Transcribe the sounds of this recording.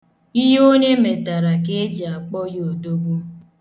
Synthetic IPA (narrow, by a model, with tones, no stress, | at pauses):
i˦ɦo˦ɲe˦me˨ta˨ɾa˨k̬e˦d͡ʒi˨a˨k͡pɔ˦jo˨do˦ɡʷu˦